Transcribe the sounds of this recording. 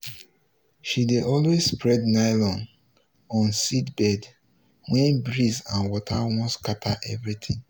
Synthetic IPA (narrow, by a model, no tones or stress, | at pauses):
ʃideʔɔlwezspɹɛdnaɪlɔ̃n | ɔ̃nsitbɛd | wɛ̃nbɹizãnwɔtʰawɔ̃nskatʰaʔɛvɹit̪ʰĩŋ